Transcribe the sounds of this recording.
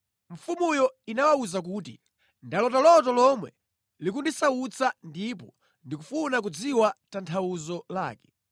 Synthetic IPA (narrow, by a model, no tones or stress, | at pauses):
ɱ̩fumujɔinawauzak̬uːtḭ | ndalɔtalɔt̬ɔlɔmwɛ | lik̬undisaut͡sʰandipɔ | ndik̬ufunak̬ud͡ziwatantʰawuzɔla̰ːkɛ̥